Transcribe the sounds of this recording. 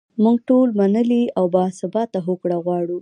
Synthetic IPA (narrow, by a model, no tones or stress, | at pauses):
muɡ̚ʈolmanəliawbɑsɪbɑt̪ːaɦokɽaɣwɑɽu